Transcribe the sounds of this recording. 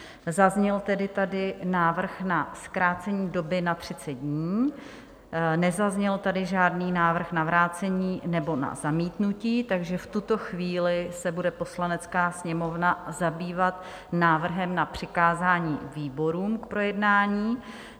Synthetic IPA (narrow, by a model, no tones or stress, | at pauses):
zazɲɛlt̪ɛdɪt̪adɪnaːvr̩xnaskɾaːt͡sɛɲiːdo̞bɪnat̪r̝̥ɪt͡sɛt̪̚dɲiː | nɛzazɲɛlt̪adɪʒaːdniːnaːvr̩xnavɾaːt͡sɛɲiːnɛbo̞na̰zamiːt̪nuciːt̪aɡʒɛft̪ut̪o̞xviːlɪsɛbudɛpo̞slanɛt͡skaːsɲɛmo̞vnazabiːvat̪ | naːvr̩ɦɛmnapr̝̥ɪkaːzaːɲiːviːbo̞ɾuːmkpɾo̞jɛdnaːɲiː